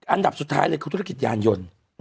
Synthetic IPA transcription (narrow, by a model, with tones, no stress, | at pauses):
ʔa˧nda˨˩p̚su˨˩t̪̚ʰːaː˦˥jlaː˧˦kʰːt̪ʰu˧˦˧ki˨˩t̪̚jaː˨njo˨˧˩n